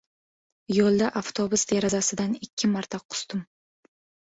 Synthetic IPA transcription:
jolˠd̪aʔaft̪ʰobʊsd̪eɾazasɪd̪anɪkʲʰːɪmaɾt̪ʰaqʰʊ̥st̪ɪm

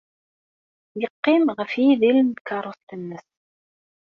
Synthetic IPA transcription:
jəqːimʁəfiðilnd̪kɑɾˤoθt̪ənːəs

